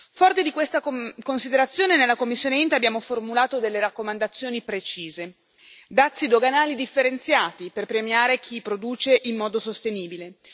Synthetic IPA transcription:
fɔrt̪id̪ikwest̪akonsid̪eɾat̪sːjoːnenelːakomːisːjoːneint̪eabjaːmoformulaːt̪od̪elːeɾakːomand̪at̪sːjoːnipɾet͡ʃiːze | d̪at̪sːid̪oɡanaːlid̪ifːeɾent̪sjaːt̪iperpɾemjaːɾek̟ʰipɾod̪uːt͡ʃeʔimːɔːd̪osost̪eniːbile

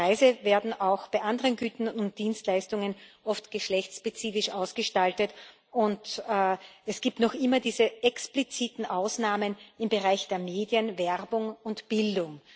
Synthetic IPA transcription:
aɪzəveːɐdn̩aʊxb̥aɪʔandəʁənɡyːtn̩ʊnt̚d̥iːnstlaɪstʊŋənʔɔftɡ̥əʃlɛçt͡sʃpet͡siːfɪʃʔaʊsɡ̥əʃtaltət | ʊntː | ɛsɡ̥iːp̚tnɔxʔɪmɐdiːzəʔɛksplit͡siːtn̩ʔaʊsnaːmənɪmbəʁaɪçd̥eːɐmeːdjənvɛʁbʊŋʊntb̥ɪldʊŋ

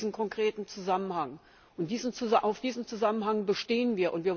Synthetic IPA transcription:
zn̩kʰɔŋkʁ̥eːtn̩t͡suzamənhaŋ | ʔʊnt̚d̥iːzn̩t͡suzʔaʊfd̥iːzn̩t͡suzamənɦaŋbəʃteːənviːɐʔʊntv̥iːɐ

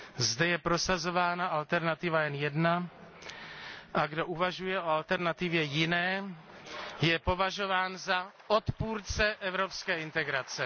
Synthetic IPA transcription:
zdɛjɛpɾo̞sazo̞vaːnaʔalt̪ɛɾnat̪ɪvajɛnjɛdna | ʔaɡdo̞ʔuvaʒujɛʔo̞alt̪ɛɾnat̪ɪvjɛjɪnɛː | jɛpo̞vaʒo̞vaːnzaʔot̪puːɾt͡sɛʔɛvɾo̞pskɛːɪnt̪ɛɡɾat͡sɛ

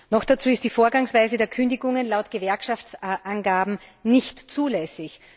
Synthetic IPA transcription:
nɔxd̥at͡suːɪst̚d̥iːfoːɐɡaŋsv̥aɪzədeːɐkʰʏndɪɡʊŋənlaʊtɡ̥əvɛɐkʃaft͡sʔanɡaːbm̩nɪçtt͡suːlɛsɪç

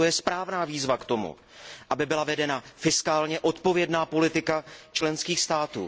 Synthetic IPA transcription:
ojɛspɾaːvnaːviːzvakt̪o̞mṵ | ʔabɪbɪlavɛdɛnafɪskaːlɲɛʔo̞t̪po̞vjɛdnaːpo̞lɪt̪ɪkat͡ʃlɛnskiːxst̪aːt̪ṵː

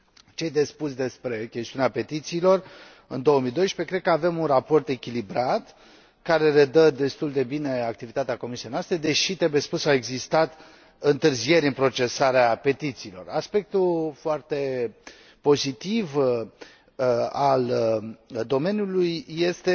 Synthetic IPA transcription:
t͡ʃe̞jd̪e̞sput̪sʲd̪e̞spɾe̞kʲe̞st̪iuneape̞t̪it̪siːlo̞r | ɨnd̪o̞oəmijd̪o̞jəʃpe̞kɾekəave̞munrapo̞rt̪e̞kʲilibɾat̪ | kaɾe̞le̞d̪əd̪e̞st̪uld̪e̞bine̞ak̚t̪ivit̪at̪eako̞misijejnast̪ɾe̞d̪e̞ʃit̪ɾe̞buje̞spusawe̞ɡzist̪at̪ | ɨnt̪ɨrzie̞ɾʲɨnpɾo̞t͡ʃe̞saɾeape̞t̪it̪siːlo̞̰raspe̞k̚t̪ufoart̪e̞ | po̞zit̪iv | al | d̪o̞me̞nʲjulujːe̞st̪e̞

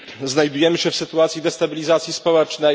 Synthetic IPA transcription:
znajd̪ujɛmɘɕɛfsɘt̪uat̪sʲjid̪ɛst̪abʲilʲizat̪sʲispɔwɛt͡ʂnɛ

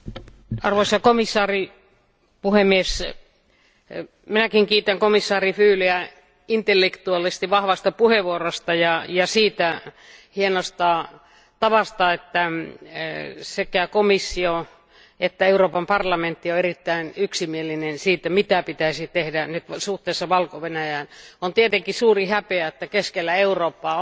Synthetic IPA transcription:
ɑrʋoisɑkomisːɑːri | puhemːies | minækiŋkiːt̪æŋkomisːɑːrifyːliæ | int̪elːekt̪uɑlist̪iʋɑhʋɑst̪ɑpuheʋuorost̪ɑjɑjɑsiːt̪æ | hienost̪ɑ | t̪ɑʋɑst̪ɑet̪ːæ | sekækomisːio | et̪ːæeuroːpɑmpɑrlɑment̪ːioerit̪ːæinyksimielinensiːt̪ːæmit̪æpit̪æisit̪ehdænyt̪suht̪eˑːsːɑʋɑlkoʋenæjæːnont̪iet̪eŋkisuːrihæpeæet̪ːækeskelːæeuroːpːɑː

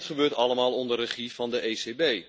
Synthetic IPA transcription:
tχəbøːɹtɑləmaːlˠɔndərəχivɑndəʔeːsebej

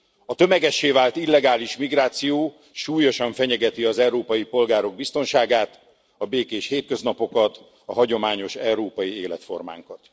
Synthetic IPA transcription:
ɒt̪ø̞mɛɡɛʃːeːvaːlt̪ilːɛɡaːliʃmiɡraːt̪sijoː | ʃuːjo̞ʃɒɱfɛɲɛɡɛt̪iɒzɛɾoːpɒjipo̞lɡaːɾo̞ɡ̚bist̪o̞nʃaːɡaːt̪ | ɒbeːkeːʃheːt̪̚kø̞znɒpo̞kɒt̪ | ɒɦɒɟo̞maːɲo̞ʃɛuɾoːpɒjieːlɛt̪fo̞̰rma̰ːŋkɒt̪

